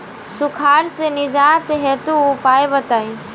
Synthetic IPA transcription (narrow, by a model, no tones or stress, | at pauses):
sʊkʰaːɾsenɪd͡ʒaːt̪ɦeːt̪uːpaːebət̪aːi